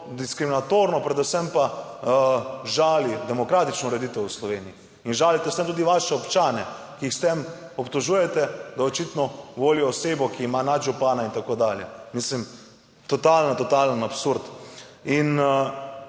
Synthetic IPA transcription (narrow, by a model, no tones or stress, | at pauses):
d̪iskɾiminat̪oːɾnɔpɾɛd̪usɛmpa | ʒaːlid̪ɛmɔkɾaːt̪it͡ʃnɔuɾɛd̪it̪ɛwuslɔʋeːniiː | nʒaːlit̪ɛsɛmt̪uːd̪iʋaʃɛɔpt͡ʃaːnɛ | kiixst̪em | ɔpt̪oʒuːjɛt̪ɛd̪aot͡ʃit̪nɔʋoːliɔːseːbɔkiːmanad̪ʒupaːnaint̪akoːd̪aljɛmislim | t̪ɔt̪aːlnat̪ɔt̪alənapsuɾd̪in